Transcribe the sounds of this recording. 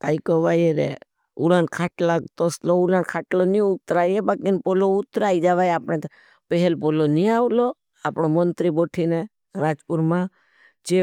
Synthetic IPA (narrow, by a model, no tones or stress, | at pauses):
kaːikoʋajeɾḛ | ulankʰaːʈlat̪osloulankʰaːʈloniʊt̪ɾaːjebakinpoloʊt̪ɾaːid͡ʒaʋaːjaːpɳ̃ẽt̪ | pɛɦɛlpoloniaːʋlo | aːpɳomənt̪ɾiboːʈʰine | ɾaːd͡ʒpʊɾmã | t͡ʃe